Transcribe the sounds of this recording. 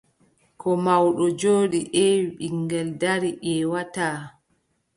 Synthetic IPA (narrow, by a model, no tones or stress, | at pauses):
kʰɔmawɗɔd͡ʒoːɗiʔɛɓiŋɡɛldaɾiʔɛwataː